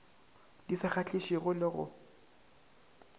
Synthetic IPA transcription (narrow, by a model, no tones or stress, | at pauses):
disɪχat͡ɬiʃiɣʊlɪɣʊ̰